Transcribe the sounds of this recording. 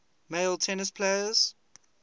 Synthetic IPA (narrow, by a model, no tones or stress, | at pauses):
meɪlˠtʰɛnɪspʰleɪəz̥